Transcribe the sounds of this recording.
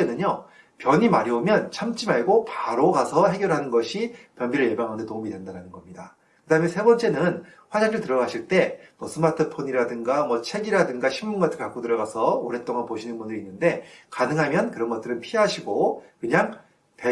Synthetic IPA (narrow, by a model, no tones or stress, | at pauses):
enɯɲo | pjʌɲimaɾiomjʌnt͡ɕʰamt͡ɕ͈imaɭɡopaɾoɡasʰʌɦe̞ɡjʌɾɦanɯnɡʌɕʰipjʌnbiɾɯɭje̞baŋɦanɯndetoumidwe̞ndaɾanɯnɡʌmɲida | kɯdaɦɯmensʰe̞bʌnt͡ɕ͈e̞nɯn | ɸwad͡ʑaŋdɯɭtɯɾʌɡaɕʰiɭt͈e̞mʌsʰɯmatʰɯpʰoɲiɾadɯŋɡamwʌt͡ɕʰe̞ɡiɾadɯŋɡaɕʰimːunɡat͈ʰɯɭkak͈otɯɾʌɡasʰʌoɾe̞t͈oŋanpoɕʰinɯnbunɯɾinːɯnde̞kanɯŋɦamjʌnkɯɾʌnɡʌt͈̚ɯɾɯnpʰiɦaɕʰiɡokɯɲaŋ | te